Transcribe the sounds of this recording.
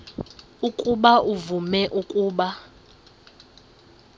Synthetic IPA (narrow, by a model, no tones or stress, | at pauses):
ukʼuɓaʔuvumɛʔukʼuːɓa